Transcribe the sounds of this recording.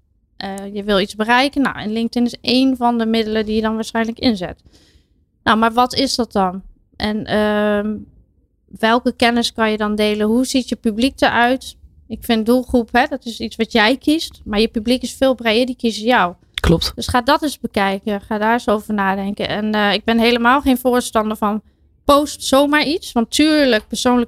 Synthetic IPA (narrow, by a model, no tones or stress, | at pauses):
ʔəjəʋɪlˠit͡sbərɛjkənːɔ̰wɪ̰nlɪŋk̚tɪnɪseːnvɔndəmɪdəlˠədijədɔnʋaːɹsχɛjnləkɪnzɪ̰t | nowmaɹʋɔtɪsdɔt̚dɔn | ʔɛnə | ʋɛlˠkəkɛnəskɔnjədɔndeːlənɦuzitjəpyblik̚dəʔœɥt | ɪkfɪndulˠχrupɦɛdɔtɪsisʋɔtjɛjkʰistmaɹjəpyblikɪsfɪːlˠbrejdəɹdikisəjaw | klɔp̚tdøsχaːdɔtɪsbəkɛjkəχaːdaːɪsowvəɹnaːdɛŋkə̰nʔɛnɪɡ̚bɪnɦeləmaːlˠχeːnvʊːɹstɑndəɹvɔn | poːstsoːmaːɹitsʋɑntʰːyːɹlək̚pəɹsoːnlək